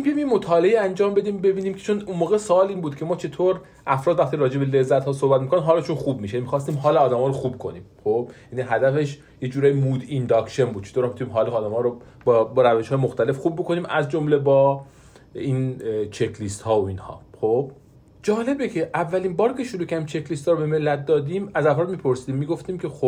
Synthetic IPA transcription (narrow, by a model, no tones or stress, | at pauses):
miunimjemo̞t̪ʰɒːleiːænd͡ʒɒːmbe̞d̪iːmbe̞biːniːmcʰet͡ʃʰonunmoːɣesoːliːnmbuːd̪cʰe̞mɒːt͡ʃʰe̞t̪ʰoːɾ | ʔæfɾɒːd̪væxt̪iːɾɒːd͡ʒe̞bele̞zːæt̪hɒːsohbæt̪̚mikonæd̪ɦɒːleʃunxub̚miʃejænimixɒːs̬t̪iːmɦɒːleɒːd̪æmɒːɾoxuːb̚kʰo̞niːmxob̥jæniɦæd̪æfe̞ʃ | jed͡ʒuːɾɒːjimuːd̪ind̪ɒkʃenbud̪̚t͡ʃʰet̪oɾæmit̪unimɦɒːleɒːd̪æmɒːɾo | bɒbɾæveʃhɒːjemoxt̪æle̞fxuːbːokʰo̞niːmʔæzd͡ʒomle̞bɒː | iːnt͡ʃʰe̞kʰlist̪hɒːoiːnhɒ̰ːxob̥̚ | d͡ʒɒːle̞becʰe̞ʔævːæliːmbɒːɾkʰʲe̞ʃoɾuːcʰæɾimt͡ʃʰe̞klist̪ɒːɾobe̞me̞lːæt̪̚d̪ɒːd̪iːmæzæfɾɒːd̪̚miːpʰo̞ɾsiːd̪iːmːiːɡo̞ft̪iːmcʰe̞xob